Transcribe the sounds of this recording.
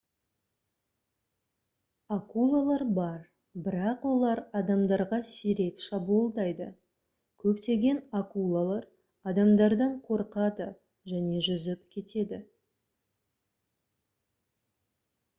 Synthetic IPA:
akulˠalˠɑɾbɑɾ | bɪɾɑqwo̞lˠɑɾɑd̪ɑmd̪ɑɾʁɑseɾe̞kʃɑbuəlˠd̪ɑjd̪ə | kʲʰɵpt̪e̞ɡʲe̞nakulˠalˠɑɾ | ɑd̪ɑmd̪ɑɾd̪ɑɴqʰo̞ɾqɑd̪ə | ʒæne̞ʒʏzɪpkʲʰe̞t̪e̞d̪ɪ

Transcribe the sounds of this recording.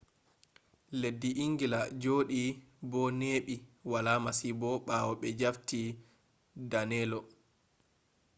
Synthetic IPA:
ledːiʔiŋɡilad͡ʒoːɗi | bɔneːɓiwalaːmasibɔɓawɔɓɛd͡ʒafti | danɛlɔ

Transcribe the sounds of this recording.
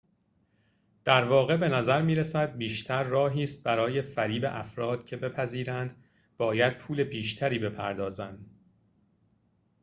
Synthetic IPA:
d̪̥æɾvɒːɣe̞be̞næzæɾmiːɾesæd̪̚biːʃt̪ʰæɾːɒːɦiːst̪̚bæɾɒːje̞fæɾiːbḛʔæ̰fɾɒːd̪̥cʰe̞be̞pʰæziːɾænd̪ | b̥ɒːjæd̪̥̚pʰuːle̞biːʃt̪ʰæɾiːbe̞pʰæɾd̪ɒːzænd̪

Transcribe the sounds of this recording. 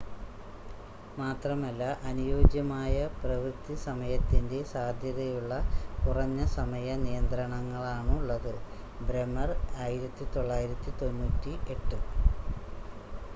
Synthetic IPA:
maːt̪rɐmɐlːɐʔɐnujo̞ːd͡ʑjɐmaːjɐprɐʋrɨt̪isɐmɐjɐt̪ːinde̞saːd̪ʱjɐðɐjuɭːɐkurɐɲːɐsɐmɐjɐnijɐnd̪rɐɳɐŋːɐɭaːɳuɭːɐðɨ | bɾemɐraːjiɾɐt̪ːit̪o̞ɭːaːjiɾɐt̪ːit̪o̞nːuːtːiʔe̞ʈːɨ

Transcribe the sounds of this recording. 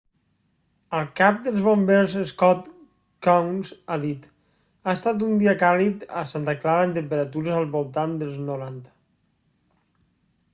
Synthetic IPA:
əlˠkap̚d̪əlˠzβombelzəskɔt̪ | kawnzaðit̪ | aest̪at̪̬und̪iəkalit̪asant̪aklaɾənt̪̬əmpəɾət̪uɾəzəlˠβolˠt̪and̪əlˠznuɾant̪ə̥

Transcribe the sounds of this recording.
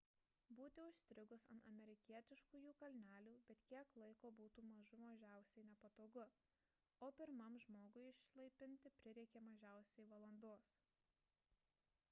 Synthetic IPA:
buːt̪ʲɪʊʃʲsʲt̪ʲɾʲɪɡʊsɐ̰nt̪ɐmʲɛɾʲɪkʲiɛt̪ʲɪʃkuːjuːkɐlʲnʲæːlʲuːbʲɛt̪kʲiɛklˠɐɪkoːbuːt̪uːmɐʒʊmɐʒʲæˑʊsʲɛɪnʲɛpɐt̪oːɡʊ | oːpʲɪɾmɐmʒmoːɡʊɪɪʃslˠɐɪpʲɪnʲt̪ʲɪpʲɾʲɪɾʲɛɪkʲɛmɐʒʲæˑʊsʲɛɪʋɐlˠɐnd̪oɔs

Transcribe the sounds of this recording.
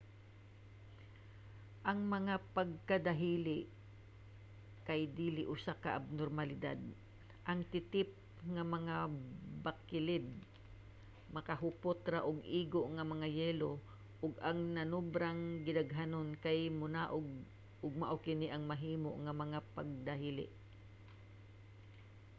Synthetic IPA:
ʔɐŋmɐŋapɐɡ̚kad̪aɦiːlɪʔ | kajd̪iːlɪʔʊsakaʔab̚noɾmalɪd̪a̰d̪̚ | ʔɐŋt̪ɪt̪ɪp̚ | ŋamɐŋabakːɪlɪd̪̚ | mɐkaɦʊpʊt̪ɾaʔʊɡʔiːɡoʔŋɐmɐŋajɛːlo | ʔʊɡaŋnɐnʊbɾaŋɡɪnaɡɦanonkajmʊnaʔʊɡ̚ | ʔʊɡ̚maʔokɪniʔɐŋmɐɦiːmo̰ʔŋamɐŋapaɡ̚d̪aɦiːlɪ̰ʔ

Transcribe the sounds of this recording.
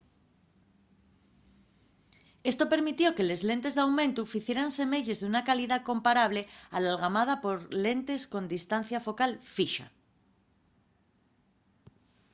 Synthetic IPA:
e̞st̪o̞pe̞ɾmit̪jo̞ke̞le̞zle̞nt̪e̞zðeawmẽ̞nt̪ufiθje̞ɾanse̞me̞ʎe̞zðunakaliðakõ̞mpaɾaβ̞le̞a̰lalɣamað̞apo̞ɾle̞nt̪e̞sko̞nd̪ist̪an̟θjafo̞kalfiʃa̰

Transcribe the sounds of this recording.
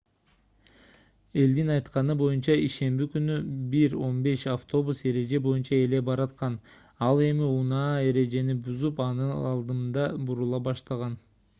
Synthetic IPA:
e̞ld̪inɑjt̪qɑnɯbo̞junt͡ʃɑiʃe̞mbikynybiɾo̞nbe̞ʃaft̪o̞buse̞ɾe̞d͡ʒe̞bo̞junt͡ʃɑe̞le̞bɑɾɑt̪qɑn | ɑlˠe̞miunɑːe̞ɾe̞d͡ʒe̞nibuzupɑnɯɑlˠd̪ɯmd̪ɑbuɾulˠɑbɑʃt̪ɑʁɑn

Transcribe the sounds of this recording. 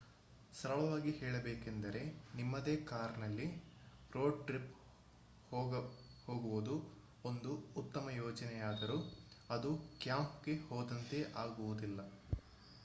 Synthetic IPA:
sɐɾɐɭɐʋaːɡihɛːɭɐbeːkend̪ɐɾe̞nimːɐd̪e̞ːkaːɾnɐlːi | ɾo̞ːɖʈɾip | hoːɡɐhoːɡuʋud̪u | ond̪uːt̪ːɐmɐjɔːd͡ʒɐnɛjaːd̪ɐɾuɐd̪ukjaːmpɡe̞hoːd̪ɐnt̪e̞ʔaːɡuʋud̪ilːɐ

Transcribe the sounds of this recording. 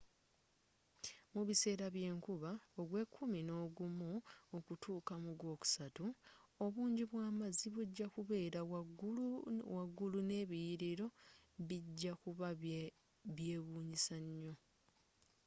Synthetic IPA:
muβise̞ːɾaβje̞ːŋkuβaoɡwe̞kʰːumino̞ːɡumuokutʰuːkamuɡwo̞ːku̥satuo̞βuːɲɟiβwaːmaziβuɟːakuβe̞ːɾa | waɡːulune̞ːβijiɾiɾo̞βiɟːakuβa | βje̞ːβuːɲisaɲːo̞

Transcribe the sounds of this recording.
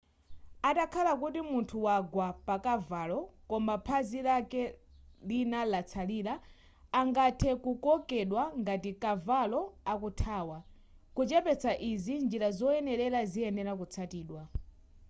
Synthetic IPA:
atakʰalakutimuntʰuwaɡwapakavalɔkɔmbapʰazilakɛlinalat͡sʰaliːɾaː | ŋɡatʰɛkukɔkɛɗwaŋɡatikavalɔakutʰaːwa | kut͡ʃɛpɛt͡sʰaʔizind͡ʒiɾazɔɛnɛɾɛɾaziɛnɛɾakut͡sʰatiːɗwa

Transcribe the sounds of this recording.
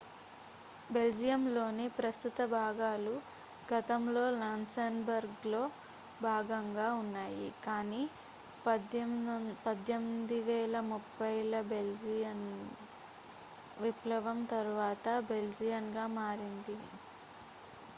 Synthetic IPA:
be̞ld͡ʒijɐmlo̞ːnepɾɐst̪ut̪ɐbʱaːɡaːlu | ɡɐt̪ɐmlo̞ːlaːnsɐnbɐɾɡlo̞ː | bʱaːɡɐŋɡaːunːaːjḭkaːniː | pɐd̪jɐmd̪iʋɛːlɐmupːɐjlɐbeld͡ʒijɐn | ʋiplɐʋɐmt̪ɐɾuʋaːt̪ɐbe̞ld͡ʒijɐnɡaːmaːɾind̪i

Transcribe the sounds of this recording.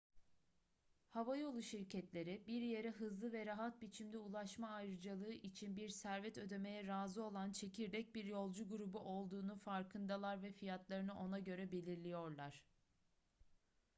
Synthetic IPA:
havajo̞lˠuʃiɾcʰɛt̪lʲe̞ɾibiɾje̞ɾɛɦɯzlˠɯvɛɾaɦat̪̚bit͡ʃʰimd̪ɛulˠaʃmaːjɾɯd͡ʒalˠɯːʔit͡ʃʰinbiɾsæɾvɛt̪ø̞d̪e̞me̞jɛɾaːzɯo̞lˠant͡ʃʰe̞cʰiɾd̪ɛc̚biɾjo̞lˠd͡ʒuɡuɾubuʔo̞lˠd̪uːnufaɾkʰɯnd̪alˠaɾvɛfijat̪lˠaɾɯnɯʔo̞naɟø̞ɾɛbe̞lʲiɾlʲijo̞ɾlˠaɾ̝̥

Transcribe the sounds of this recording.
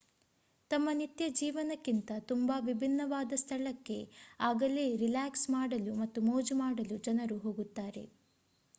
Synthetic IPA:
t̪ɐmːɐnit̪jɐd͡ʒiːʋɐnɐkːint̪ɐt̪umbaʋibʱinːɐʋaːd̪ɐst̪ʰɐɭɐkːe̞aːɡɐleːɾilaːksmaːɽɐlumɐt̪ːumoːd͡ʒumaːɽɐlud͡ʒɐnɐɾuɦo̞ːɡut̪ːaːɾe̞̰

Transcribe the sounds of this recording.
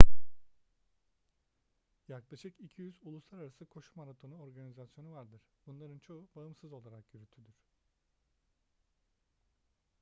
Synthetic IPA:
jaklˠaʃɯkicʰijyzulˠuslˠaɾaɾasɯkʰo̞ʃumaɾat̪ʰo̞nuo̞ɾɡanizasjo̞nuvaɾd̪ɯɾ̥b̥unlˠaɾɯnt͡ʃʰo̞ubaɯmsɯzo̞lˠaɾakjyɾyt̪ʰyd̪yɾ̥

